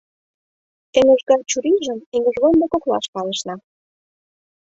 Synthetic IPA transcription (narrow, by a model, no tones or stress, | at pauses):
t̪ĕŋoʒɡɑrt͡ɕuɾiʒə̆meŋə̆ʒβond̪ekoklɑ̰ʃpɑlə̆ʃnɑ